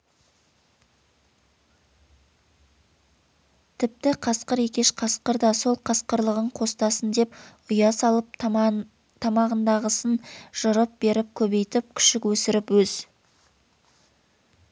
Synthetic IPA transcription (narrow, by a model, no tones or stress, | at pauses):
t̪ʰɪp̚t̪ɪqʰɑsqəɾekʲe̞ʃqʰɑsqəɾd̪ɑso̞lˠqʰɑsqəɾlˠəʁəɴqʰo̞st̪ɑsənd̪e̞pʊjɑsɑlˠəp̚ | t̪ʰɑmɑʁənd̪ɑʁəsənʒ̥əɾəp̚be̞ɾɪp̚kʲʰɵβe̞jt̪ɪp̚kʲʰʏ̥ʃɪkwɵsɪɾɪpwɵz̥